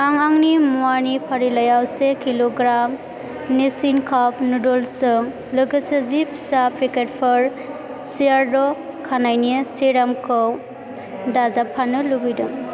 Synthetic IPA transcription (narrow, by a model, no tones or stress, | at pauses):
aŋaŋnimuanipʰaɾilajawsekiloɡɾam | nisinkʰapnudɔlsɯŋ | lɯɡɯsɯzipʰisapɾiket̚pʰɔɾ | siaɾdɔ | kʰanajniseɾamkʰɯw | dazapʰanɯlubɯjdɯŋ